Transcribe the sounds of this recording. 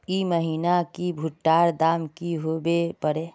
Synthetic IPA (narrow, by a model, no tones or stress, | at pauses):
iməɦiːnakibʱʊʈːaːɾd̪aːmkiɦoːbepəɾeː